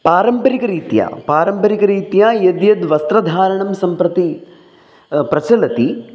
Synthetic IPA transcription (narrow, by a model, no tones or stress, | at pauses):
paːɾɐmpɐɾikɐɾiːt̪ja̰ːpaːɾɐmpɐɾikɐɾiːt̪jaːjɐd̪jɐd̪ʋɐst̪ɾɐd̪ʱaːɾɐɳɐmsɐmpɾɐt̪i | pɾɐt͡ʃɐlɐt̪i